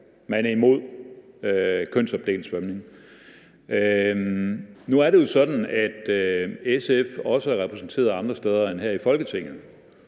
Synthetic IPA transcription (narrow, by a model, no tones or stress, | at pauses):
mænæɐimo̝ð̞̰ˠ | økʰøn̰sɒ̽b̥̚d̥e̝̰ːlsœmne̝ŋ | ø | nuæɐɾe̝jo̝sɒ̽d̥n̩æd̥øesefɒ̽səæɐʁɛpʰʁɛsn̩t͡sʰe̝̰ːɐðˠɑ̈nd̥ʁɐsd̥eð̞ˠɐenɦæɐifɒ̽lɡ̥ət͡sʰe̝ŋ̰ð̩